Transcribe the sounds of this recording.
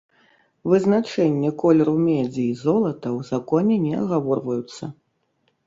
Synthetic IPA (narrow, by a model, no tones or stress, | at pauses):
vɨznat͡ʂɛnʲːɛkɔlʲɛɾumʲɛd͡zʲiːzɔlˠɐt̪ɐwzakɔnʲɛnʲɛɐ̰ɣavɔrvɐjut̪sːɐ